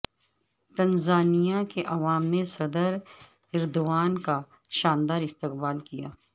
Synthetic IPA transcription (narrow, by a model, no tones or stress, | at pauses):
t̪ɐnzaːnijakeʔɐʋaːmːẽsɐd̪əɾ | ɪɾd̪ʊʋaːnka | ʃaːnd̪aːɾɪst̪ɪqbaːlkija̰ː